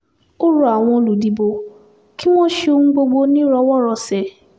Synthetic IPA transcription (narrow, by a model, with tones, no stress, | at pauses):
o˦ɾu˦a˨w̃ɔ̃˧o˧lu˨di˨bo˧ | ki˦mɔ̃˦ʃe˧o˧ŋũ˦ɡ͡bo˧ɡ͡bo˧nĩ˦ɾɔ˧wɔ˦ɾɔ˨sɛ˨